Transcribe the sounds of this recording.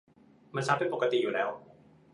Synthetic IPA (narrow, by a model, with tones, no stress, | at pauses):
ma˧nsʰaː˦˥mpe˧npo˨˩ka˧t̪ḭ˨juː˨lɛː˦˥w